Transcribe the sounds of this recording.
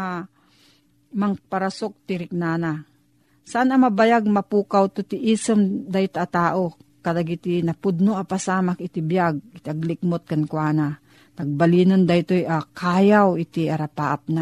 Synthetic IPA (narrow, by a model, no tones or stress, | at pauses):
maŋpaɾasok̚t̪ɪɾɪk̚naːna | saʔanɐmɐbajaɡ̚mɐpuːkawt̪ot̪ɪʔiːsomd̪aɪt̪at̪aːʔokɐlaɡɪt̪ɪnɐpʊd̪noʔapasaːmakɪt̪ɪbjaɡ̚ɪt̪ɪʔɐɡlɪk̚mot̪̚kankwaːna | nɐɡ̚baliːnond̪ajt̪ojʔakʰaːjawɪt̪iʔaɾapaʔap̚na